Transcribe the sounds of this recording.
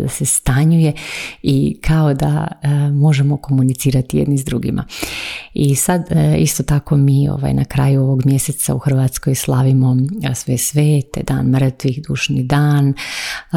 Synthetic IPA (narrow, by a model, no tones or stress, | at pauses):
d̪asest̪aɲuje̞ikʰao̞d̪a̰mo̞ʒemo̞ko̞munit̪siːɾat̪ijed̪nizd̪ɾuɡḭmʔa̰ | isad̪ist̪o̞t̪ako̞miːo̰ʋa̰jnakɾa̰ːjuo̞ʋo̞ɡmje̞set̪sa̰uxr̩ʋat̪sko̞jslˠaʋimo̞sesʋeːt̪ḛd̪a̰ːnmr̩t̪ʋixd̪uːʃnid̪aːn